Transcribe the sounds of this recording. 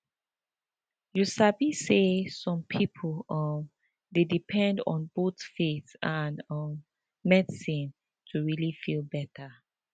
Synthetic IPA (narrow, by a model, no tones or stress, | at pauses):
jusabisesɔ̃mpʰipʰlʌm | dedipʰɛ̃ndɔ̰̃nbotfitãnʌmː | ɛdsĩn | tʰuɹilifilbɛtʰə